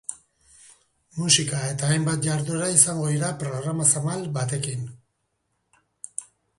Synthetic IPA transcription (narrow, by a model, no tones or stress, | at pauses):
musikae̞t̪aːjmbat̪̚ʝaɾðueɾaisaŋɡo̞iɾapɾo̞ɣɾamasamalbat̪e̞kin